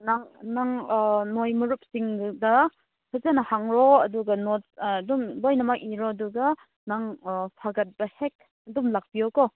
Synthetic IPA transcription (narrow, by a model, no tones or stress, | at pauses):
naŋnaŋnojmuɾup̚siŋdɐ | sʰazanɐhaŋɾɔɐduɡɐnot̚ːdumbojnɐmakiɾɔɐduɡɐ | naŋpʰaɡɐt̚b̥ɐhek̚ | ɐdumlak̚b̥ijɔkɔ